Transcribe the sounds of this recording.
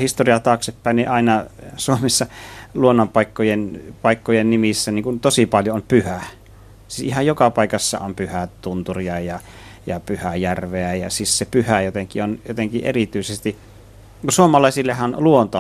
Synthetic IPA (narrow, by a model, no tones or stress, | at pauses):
hist̪oriɑt̪ɑːksepːæˑinniʔɑˑinɑsuomesːɑluonːompɑˑikːojenpɑˑikːojennimisːæniŋkunt̪osipɑljoompyhæ | sisihɑjokɑpɑˑikɑsːɑ̰ompyhæt̪unt̪uriɑjɑ | jɑpyhæjærʋeæjɑ̰sissepyhæjot̪eŋkḭonjot̪eŋkiʔḛrit̪yisest̪i | kusuomɑlɑˑisilːehɑnluont̪o